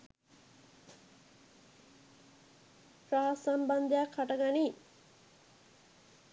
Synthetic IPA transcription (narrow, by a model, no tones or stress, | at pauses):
pɾaɦasamband̪ejakʰːaʈəɡani